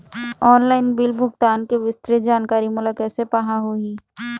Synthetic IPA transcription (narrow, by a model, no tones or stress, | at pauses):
ɔːnlaːɪnbɪlbʱʊɡt̪aːnkeʋɪst̪ɾed͡ʒaːnkaːɾimʊləkɛsepɐɦãɦoiː